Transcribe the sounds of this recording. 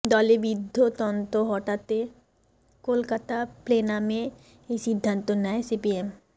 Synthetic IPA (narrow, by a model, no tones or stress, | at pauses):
d̪ɔlebid̪ʱːot̪ɔnt̪oɦɔʈat̪e | kolkət̪ʰapleːnamẽ | esid̪ʱːə̃nt̪onaesipiem